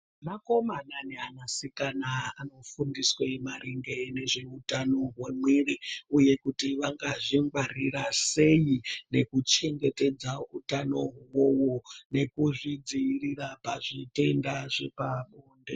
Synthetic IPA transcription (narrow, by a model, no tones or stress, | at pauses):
mako̞mananeanasikanaano̞fundiswemaɾiŋɡene̞ʐe̞utano̞ɦwemweriuje̞kutiʋaŋɡaʐiŋɡwarirase̞jine̞kut͡ʃe̞ŋɡe̞te̞d͡zautano̞wowone̞kuʐid͡ziirirapaʐite̞ndaʐepaɓoːnde